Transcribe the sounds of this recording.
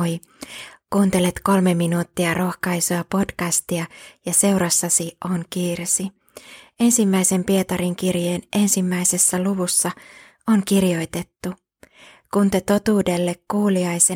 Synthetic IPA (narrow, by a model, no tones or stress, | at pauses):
j | kuːnt̪e̞let̪ko̞lme̞minuːt̪ːiɑrʔo̞xkɑjsoɑpo̞dkæst̪iɑjɑse̞wɾɑsːɑsio̞ŋkiːrsi | e̞nsimːæijse̞mpie̞t̪ɑɾiŋk̟irjeːnʔe̞nsimːæjse̞sːæluʋusːɑ | o̞ŋkirjo̞jt̪e̞t̪ːu | kunt̪et̪o̞t̪uːde̞lːe̞kkuːliɑjse